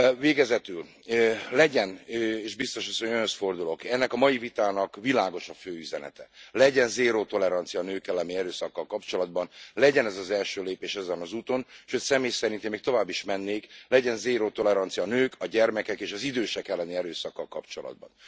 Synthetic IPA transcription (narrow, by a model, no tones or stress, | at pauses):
veːɡɛzɛt̪yl | lɛɟɛneːʒbist̪o̞ʃɒsoɲønøst̪fo̞rd̪ulo̞kɛnːɛkɒmɒjivit̪aːnɒkʋilaːɡo̞ʃɒføːyzɛnɛ̰t̪ɛlɛɟɛnzeːɾoːt̪o̞lɛɾɒnt̪sijɒːnøːkɛlɛmiɛɾøːsɒkːɒlkɒpt͡ʃo̞lɒd̪̚bɒnlɛɟɛnɛzɒzɛlʃøːleːpeːʃɛzɛnɒzuːt̪o̞nʃøcsɛmeːjsɛɾint̪imːeːk̚t̪o̞vaːbːiʃmɛnːeːklɛɟɛnzeːɾoːt̪o̞lɛɾɒnt̪sijɒnøːkʰɒɟɛrmɛkɛkeːʃɒzid̪øːʃɛkɛlːɛniɛɾøːsɒkːɒlkkːɒpt͡ʃo̞lɒ̰d̪̚bɒ̰n